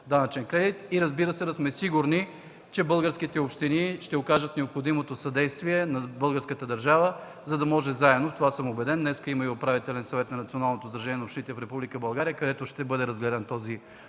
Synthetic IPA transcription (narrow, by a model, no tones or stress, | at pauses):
d̪anɐt͡ʃɛnkɾɛd̪it̪iɾɐzbiɾəsɛd̪ɐsmɛsiɡuɾni | t͡ʃɛbɤlˠɡəɾsk̟it̪ɛopʃt̪iniʃt̪ɛokaʒət̪nɛopxod̪imot̪osɐd̪ɛjst̪viɛnɐbɤlˠɡəɾskət̪əd̪əɾʒavə | zɐd̪ɐmɔʒɛzaɛd̪noft̪ovasɤmobɛd̪ɛnːɛskəiməiopɾavit̪ɛlɛnsɐvɛt̪nɐnɐt̪sionalˠnot̪ozd̪ɾɐʒɛnʲiɛnɐopʃt̪init̪ɛfɾɛpublikəbɐlˠɡaɾijəkɐd̪ɛt̪oʃt̪ɛbɤd̪ɛɾɐzɡlɛd̪ɛnt̪ɔzi